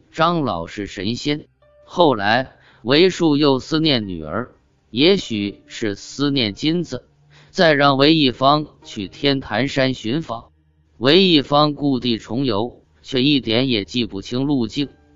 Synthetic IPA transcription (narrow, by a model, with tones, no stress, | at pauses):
ʈ͡ʂɑ˥ŋlɑ˨˩ʊʂɻ̩˥˩ʂə˧˥nɕɛ˥n | xo˥˩ʊla˧˥ɪ | we˧˥ɪʂu˥˧jo˥˩ʊsɹ̩˥njɛ˥˩nny̰˨˩ə̰˞˧˥ | jɛ˧˥ɕy˨˩ʂɻ̩˥˩sɹ̩˥njɛ˥˩nt͡ɕi˥nd͡z̩˨˩ | t͡sa˥˧ɪɻɑ˥˩ŋwe˧˥ɪi˥˩fɑ˥ŋt͡ɕʰy˨˩t̪ʰjɛ˥nt̪ʰa˧˥nʂa˥nɕy˧˥nfɑ˧˥ŋ | we˧˥ɪi˥˩fɑ˥ŋku˥˧t̪i˥˩ʈ͡ʂʰʊ˧˥ŋjo˧˥ʊ | t͡ɕʰɥɛ˥˧i˥˩t̪jɛ˧˥njɛ˨˩t͡ɕi˥˩pu˨˩t͡ɕʰi˥ŋlu˥˧t͡ɕi˥˩ŋ